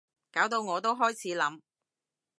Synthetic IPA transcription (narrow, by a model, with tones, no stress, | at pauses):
kaː˨˥wt̪o˧wŋɔː˨˧t̪o˥wɦɔː˥jt͡sʰiː˨˥lɐ˨˧˥m